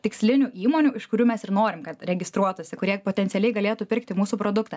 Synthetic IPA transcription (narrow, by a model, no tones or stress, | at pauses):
t̪ʲɪksʲlʲɪnʲuːiːmoːnʲuːɪʃkʊɾʲuːmʲɛsɪɾnoːɾʲɪmkɐt̪ɾʲɛɡʲɪst̪ɾuɔt̪ʊsʲɪkʊɾʲiɛpoːt̪ʲɛnt̪sʲɪɛlʲɛɪɡɐlʲeːt̪uːpʲɪɾkt̪ʲɪmuːsuːpɾoːd̪ʊkt̪ɐ